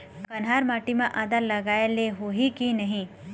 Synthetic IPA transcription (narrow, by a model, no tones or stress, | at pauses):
kɐnɦaɾmaːʈimẽʔaːd̪alɐɡaːeleɦoɦikinɐɦĩ